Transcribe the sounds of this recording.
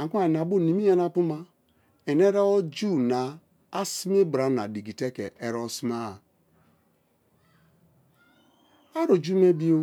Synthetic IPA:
a˨kʷu˦a˨n˨a˨bo˦˨ni˨mi˦ja˦na˦pu˦ma˦ | e˨ne˦ɾa˦o˦d͡ʒu˦˨na˨ | a˦si˦me˦bɾa˨˦na̰˨di˨ɡi˨te˦kḛ˨e˨ɾo˦sma˦˨ | a˦ɾo˨d͡ʒu˦me˦bi˦o˦

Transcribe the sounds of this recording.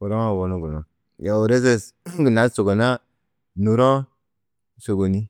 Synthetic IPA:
u˨ɾo˦a˨wo˨nu˦ɡu˨no˨ | ja˨o˨ɾe˦s̬e˦˨sɡu˨na˨˦so˨ɡo˨na˦ | nu˨ɾɔ̃˦ | so˨ɡo˨ni˦

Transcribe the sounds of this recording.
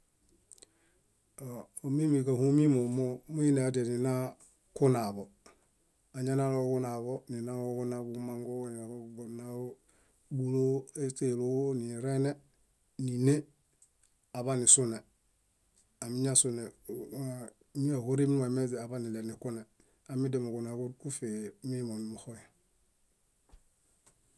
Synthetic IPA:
o˨ | o˨mi˦mi˨ka˨hu˦mi˦mo˨mo˦mu˦i˦ne˨a˨de˨ni˨na˦ | ku˦na˨bo˨ | a˨ɲa˦na˦lo˦ku˦na˨βo˦ni˨na˦o˦ku˦na˨bu˨˦ma˦ŋɡo˦ni˨˦bo˨na˨˦ | bu˨lo˦e˦te˨lo˦ni˨ɾe˦ne˦ | ni˨ne˦ | a˨βa˦ni˨su˦ne˨ | a˨mi˦ɲa˦su˦ne˨ | ɲi˦a˨ko˦ɾi˦m˦ŋwe˨me˦zi˨a˨ba˦ni˨le˨ni˨ku˦ne˨ | a˨mi˦de˨mo˨ku˨na˨ku˦ɾku˦fe˨mi˦mo˨ni˨mu˨xo˦ja˨

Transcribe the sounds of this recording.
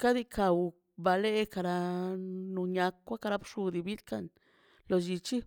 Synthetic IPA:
ka˦d̪i˧kʰa˨w | ba˧le˦ka˧ɾa˧ | nu˧ɲa˧kːwa˦ka˧ɾa˧˦bʂu˧d̪i˨bi˦lka˦n | lo˨d͡ʒi˧t͡ʃi˦

